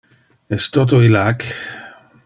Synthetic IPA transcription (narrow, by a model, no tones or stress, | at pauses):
est̪ot̪̬oilak